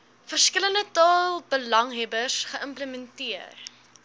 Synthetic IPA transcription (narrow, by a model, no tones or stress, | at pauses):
fərskələndətɑːlˠbəlɐŋɦɛbərsχəʔəmpləmɛntiər